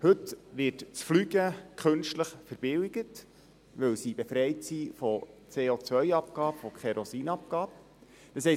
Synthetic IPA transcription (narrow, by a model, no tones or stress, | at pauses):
hɵtʋɪrtt͡sflyɡəkχɵnʃtləχfəɾb̥ɪwiɡ̥ət | ʋɵwsib̥efɾɛjtsifɔt͡seːot͡sʋœʏɑp̚kɑːpfɔkχɛɾɔsiːnɑp̚kɑːp̚ | d̥ɑshɛ